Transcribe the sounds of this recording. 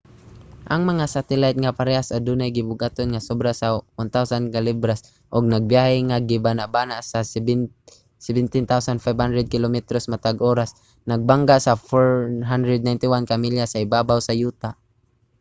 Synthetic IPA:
ʔaŋmaŋasat̪ɛlajt̪̚ŋapaɾɛasad̪unajɡɪbʊɡʔat̪onŋasɔbɾasawant̪awsankalibɾas | ʔʊɡ̚naɡ̚bjaɦɪŋaɡɪbanaʔbanaʔsa | sɛbɪnt̪ɪnt̪awsanfajbhand̪ɾɛd̪̚kɪlomɛt̪ɾosmat̪aɡʔoːɾas | naɡ̚baŋɡaʔsafɔɹɦand̪ɾɛd̪̚najnt̪ɪwankamiljasaɪbabawsajuːt̪aʔ

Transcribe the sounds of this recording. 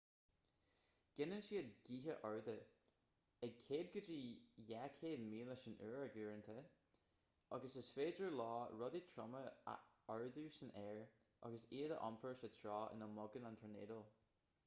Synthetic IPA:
ɡ̥ɪnənʃiːədɡ̥iːɦəʔɔɹðə | əɡ̚kʰeːd̪̚ɡəd͡ʒijakʰeːdmiːləʃənʔøːɹəɡuːɹənt̪ʰə | ɑɡəsəsfeːdəɹlɑːɹɔd̪itʰɹɔmə̰ | ɔɹðusənɛːɹ | ʔɑ̰ɡəseːðə̰ʔɔ̰mpʰəɹsət̪ʰɹɑːɪ̰nəmɔɡənantʰənḛːdəlˠ

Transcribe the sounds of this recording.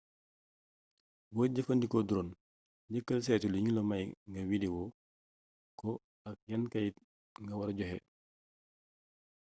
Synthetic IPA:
bɔːɟəfəndikɔduɾon | ɟəkːəlsɛːtuluɲulɔmɐjŋɡɐwidiwɔ | kɔ | ɐk̚jɐnkɐj | ŋɡɐwɐɾɟɔɦɛ̰

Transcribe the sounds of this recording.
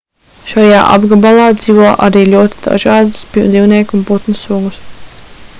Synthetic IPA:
ʃaja̰ːʔa̰bɡabalˠɑːd̪ziːʋuɔʔaɾiːlʲuɔt̪i̥d̪̥a̰ʒɑːd̪spiwd̪zʲiːwniɛkunput̪nusuɡus

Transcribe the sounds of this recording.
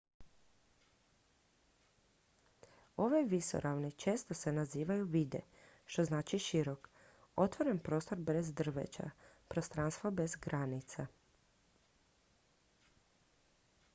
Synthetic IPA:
o̞ʋeʋiso̰ɾʔaʋnit͡ʃe̞ːst̪o̞se̞naziːʋajuʋiːd̪e̞̰ | ʃt̪o̞znaːt͡ʃiʃiɾo̞k | o̞t̪ʋo̞ɾenpɾo̞ːst̪o̞ɾbɾezd̪r̩ʋḛt͡ʃa̰pɾost̪ɾanst̪ʋobe̞zɡɾanit̪sa

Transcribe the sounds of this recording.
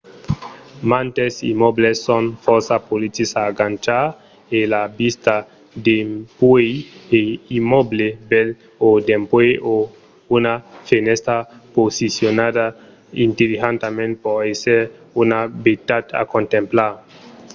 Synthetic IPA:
mãnt̪esḭmoblesːonfɔɾsapolit̪isaːɡant͡ʃa | elabist̪a | d̪empwejeimɔblebel | od̪empweʔo | unafenest̪ɾaposisjonada | ḭnt̪elixant̪amẽnt̪pɔeseʁ | unabet̪at̪a̰kõnt̪ẽmplaɾ

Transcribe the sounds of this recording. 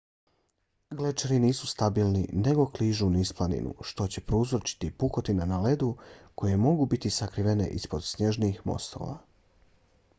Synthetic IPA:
ɡlet͡ʃeɾiniːsust̪abiːlˠnḭne̞ɡo̞kliːʒunisplˠanḭnʔṵʃt̪o̞t͡ɕe̞pɾouzot͡ʃi̥t̪ipuko̞t̪inanale̞d̪uko̞je̞mo̞ɡubit̪isakɾiʋe̞ne̞̰ʔispo̞d̪sne̞ʒnixmo̰st̪o̞̰ːʋa̰

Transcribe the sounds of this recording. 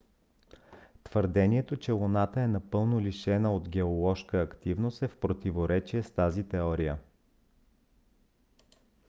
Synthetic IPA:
t̪v̥əɾd̪ɛnʲiɛt̪ot͡ʃɛlˠonat̪əɛnɐpɤlˠnoliʃɛnəod̪ɡɛolˠɔʃkəːkt̪ivnost̪ɛfpɾot̪ivoɾɛt͡ʃiɛst̪azit̪ɛɔɾijə

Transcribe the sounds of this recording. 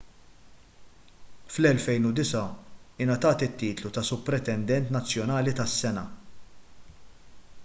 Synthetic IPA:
flɛlfɛjnud̪ɪsɐɪnɐt̪ɐːt̪ɪt̪ːiːt̪lut̪ɐsʊpːɾɛt̪ɛnd̪ɛnt̪nɐt͡sːjɔnɐːlit̪ɐsːɛnɐ

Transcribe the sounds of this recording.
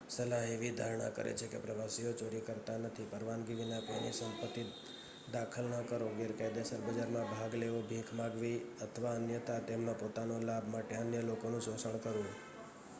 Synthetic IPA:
səlaɦeʋid̪ʱaɾɳa̰kə̰ɾḛt͡ʃʰekḛpɾəʋasijot͡ʃoɽikəɾt̪anət̪ʰipəɾʋanɡiʋinakoinḭsəmpət̪ːi | d̪akʰəlnəkəɾoɡɪɾkajd̪jasəɾbəd͡ʒaɾmãbʱaɡleʋobʱikʰmãɡʋiət̪ʰəʋaənjət̪at̪emnopot̪anolabʱmaʈeənjəlokonũsosəɳ̃kəɾũ

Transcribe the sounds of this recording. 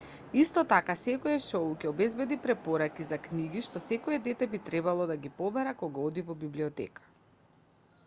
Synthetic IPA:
ist̪ɔt̪akasɛkɔjɛʃɔwukʲɛɔbɛzbɛd̪ipɾɛpɔɾakizakniɡiʃt̪ɔsɛkɔjɛd̪ɛt̪ɛbit̪ɾɛbalˠɔd̪aɡʲipɔbɛɾakɔɡaɔd̪ivɔbibliɔt̪ɛ̰kḁ

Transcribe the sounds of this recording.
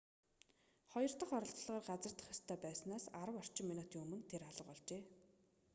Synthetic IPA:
χɔjɞ̆r̥t̪ə̆χɔɾɞ̆ɬt̪̆ɮʁaːrɢat͡sə̆r̥t̪ə̥̆χjast̪ʰœːpæːsnaːsaɾə̆wɔr̥t͡ɕɪ̆ŋminut̪iːŋɵmɵ̆nt̪ʰeɾaɮə̆qɔɮt͡ɕeː

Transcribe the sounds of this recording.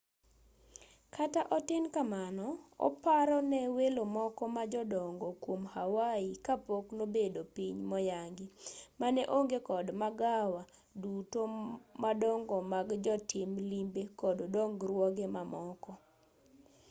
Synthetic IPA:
kataʔɔtɪnkamanɔɔ̰paɾɔnɛwelomɔkɔmad͡ʒɔdɔŋɡɔkwomhawaikapoknobedopiɲmɔjaŋɡɪmanɛʔoŋɡekɔdmaɡawa | dutomadɔŋɡɔmaɡd͡ʒɔtɪmlimbekɔdodɔŋɡɾwɔɡemamɔkɔ

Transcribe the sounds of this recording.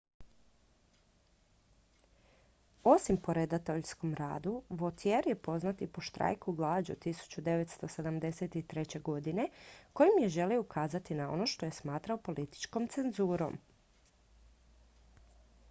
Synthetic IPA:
o̞simpo̞ɾed̪at̪oʎsko̞mɾa̰ːd̪uʋot̪ʰjeɾje̞po̞znat̪ipoʃt̪ɾa̰jkuɡlˠaːd͡ʑṵt̪isu̥t͡ɕud̪e̞ʋet̪st̪o̞se̞d̪amd̪e̞set̪it̪ɾe̞t͡ɕe̞ɡo̞d̪ine̞ko̞jimje̞ʒe̞lioukʰaːzat̪inao̞̰no̞ʃt̪o̞je̞smaːt̪ɾaopo̞lit̪i̥t͡ʃko̞mt̪se̞nzuːɾo̞̰m

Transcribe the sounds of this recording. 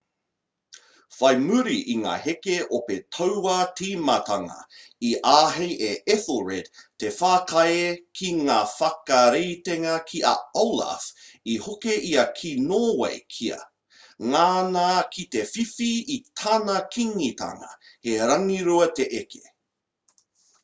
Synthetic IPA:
fɐjmʉɾiʔiŋa̰ːhekeʔopetʰɐwwatʰiːmɐtɐŋɐ̰ | iʔaːɦejʔeʔeθoɹedtefaːkajekʰiŋaːfɐkɐɾejteŋɐkʰiʔa̰owla̰fihokeʔiɐkʰinoːwḛjkʰiɐ̰ | ŋaːnakʰit̪efifiitʰanɐkʰiŋit̪ɐ̰ŋɐ̰heɾɐŋiɾuɐt̪eʔekʰe̥

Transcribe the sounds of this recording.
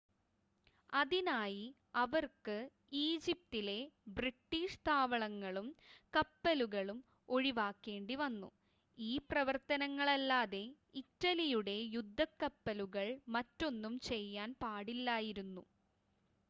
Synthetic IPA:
ɐðinaːji | ɐʋɐrkɨ | iːd͡ʑip̚tile̞briʈːiːʂt̪ʰaːʋɐɭɐŋːɐɭumkɐpːɐluɣɐɭum | o̞ɻiʋaːkːe̞ːɳɖiʋɐnːṵ | iːprɐʋɐrt̪ɐnɐŋːɐɭɐlːaːðe̞ | itːɐlijuɽe̞jud̪ʱːɐkːɐpːɐluɣɐɭmɐtːo̞nːumt͡ɕe̞jːaːnpaːɽilːaːjiɾunːu

